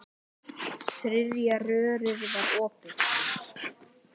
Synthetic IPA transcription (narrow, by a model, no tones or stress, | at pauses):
θɾɪðjarœːɾʏɾvaɾɔːpɪn